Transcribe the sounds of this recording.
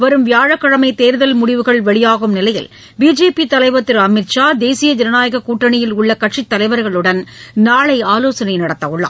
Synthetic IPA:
ʋɐɾɯmʋɪjaːɻɐkːɐɻɐmɐɪt̪eːɾðɐlmʊɽɪʋɯɣɐɭʋɛɭɪjaːɣɯmnɪlɐjɪ̰l | biːd͡ʒeːpit̪ɐlɐɪʋɐt̪ːɪɾɐmɪɾt͡ʃaːd̪eːsɪjɐd͡ʒ̪ɪɾɐnaːjɐɣɐkuːʈrɐɳɪjɪlʊɭːɐkɐʈʂit̪ːɐlɐɪʋɐɾɣɐɭɯɽɐnnaːɭɐɪaːloːsɐnɐɪnɐɽɐt̪ːɐʊɭːa̰ː

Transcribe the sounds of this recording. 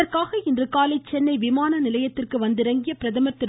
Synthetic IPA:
ɐrkaːɣɐɪndrɯkaːlɐɪt͡ʃːɛnːɐɪʋɪmaːnɐnɪlɐjɐt̪ːɪrkɯʋɐnd̪ɯɾɐŋɡɪjɐpɪɾɐðɐmɐt̪ːɪɾ

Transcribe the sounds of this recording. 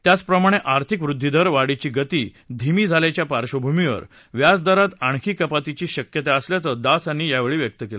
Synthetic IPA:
t̪jat͡spɾəmaɽ̃eʔaɾt̪ʰikʋɾud̪ʱːid̪əɾʋaɽit͡ɕiːɡət̪iː | d̪ʱimiːd͡zʱaljat͡ɕjapaɾɕəbʱumiʋə̰ɾ | ʋjad͡zd̪aɾat̪aɳ̃kʰiːkəpat̪it͡ɕiːɕəkjət̪aəsljat͡səd̪asanːiːjaʋeɭiːʋjək̚t̪əkela

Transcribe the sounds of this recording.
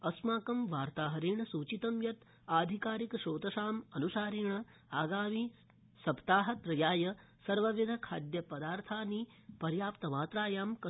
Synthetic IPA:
ɐsmaːkɐmʋaːɾt̪aːɦɐɾeːɳɐsuːt͡ʃit̪ɐmjɐt̪ | aːd̪ʱikaːɾikʃoːt̪ɐʃaːmɐnuʃaːɾeːɳɐaːɡaːmi | sɐpt̪aːɦɐt̪ɾɐjaːjɐ | sɐɾʋɐʋid̪ʱɐkʰaːd̪jɐpɐd̪aːɾt̪ʰaːni | pɐɾjaːpt̪ɐʋaːt̪ɾaːjaːmkɐ

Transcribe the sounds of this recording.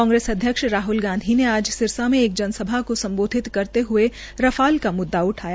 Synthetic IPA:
ɔ̃ːŋɡɾeːsɐd̪ʱjəkʃɾaːɦʊlɡãːnd̪ʱineaːd͡ʒsɪɾsamẽeːk̚d͡ʒɐnsəbʱakosɐ̃mboːd̪ʱɪt̪kɐɾt̪eɦʊe | ɾɐfʰaːlkamʊd̪ːaʊʈʰaːja

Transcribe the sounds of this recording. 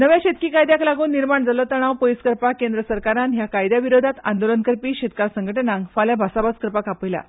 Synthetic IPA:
nəʋjaɕet̪kiːkajd̪jaklaɡuːnːiɾmaɳd͡zaləːt̪əɽ̃aʋpojskəɾpakend̪ɾəsəɾkaɾanɦjakajd̪jaʋiɾod̪ʱat̪and̪olənkəɾpiːɕet̪kaɾsəŋɡəʈənãŋkfaljabʱasabaskəɾpakapəjla̰

